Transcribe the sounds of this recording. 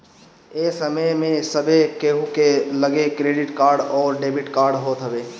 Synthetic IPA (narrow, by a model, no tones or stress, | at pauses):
eːsəməjmẽsəbʱekeɦukeləɡekɾeːɖɪʈkaːɾɖɔːɾɖeːbɪʈkaːɾɖɦoːt̪ɦəbeː